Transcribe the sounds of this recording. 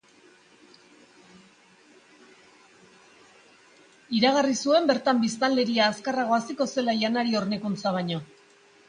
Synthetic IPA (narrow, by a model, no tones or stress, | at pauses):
iɾaɣ̞arisue̞mbe̞ɾt̪ambist̪anle̞ɾiaːskaraɣo̞asiko̞se̞lajanaɾio̞rnekunt͡saβ̞aɲo̞